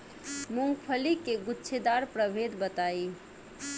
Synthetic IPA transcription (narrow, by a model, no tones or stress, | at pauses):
mʊ̃ŋɡpʰəlikeɡʊtːʃʰed̪aɾpɾəbʱed̪bət̪ai